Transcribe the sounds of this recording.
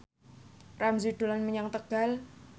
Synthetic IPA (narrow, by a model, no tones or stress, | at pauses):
ramzud̪̥olanməɲaŋt̪əɡ̥a̤l